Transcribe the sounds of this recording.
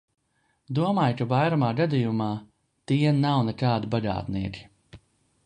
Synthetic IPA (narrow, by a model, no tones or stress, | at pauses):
d̪uɔmaːjkavajɾamaːɡad̪ijumaː | t̪iɛnawnɛkaːd̪ibaɡa̰ːt̪niɛkʲi